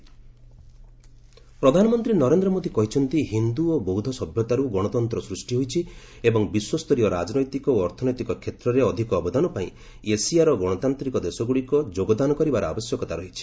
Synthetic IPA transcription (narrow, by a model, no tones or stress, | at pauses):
pɾɔd̪ʱanɔmɔnt̪ɾinɔɾend̪ɾɔmod̪ʱikɔɦit͡ʃʰɔnt̪iɦind̪uobɔɦwd̪ʱɔsɔbʱjɔt̪aɾuɡɔɽ̃ɔt̪ɔnt̪ɾɔsɾusʈiɦojt͡ʃʰi | ebɔŋbiswɔst̪ɔɾijɔɾad͡ʒɔnɔjt̪ikɔoɔɾt̪ʰɔnɔjt̪ikɔkʰet̪ɾɔɾeɔd̪ʱikɔːbɔd̪anɔpaĩ | esiaɾɔɡɔɽ̃ɔt̪ant̪ɾikɔd̪esɔɡuɽikɔd͡ʒoɡɔd̪anɔkɔɾibaɾɔa̰bɔsjɔkɔt̪aɾɔɦit͡ʃʰi̥